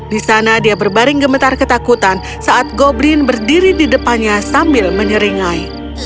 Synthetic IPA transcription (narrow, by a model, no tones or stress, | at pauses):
disanadiabərbaɾɪŋɡəmət̪arkət̪akut̪an | saʔat̪̚ɡoblɪnbərdiɾididəpanɲasambɪlməɲəɾiŋaj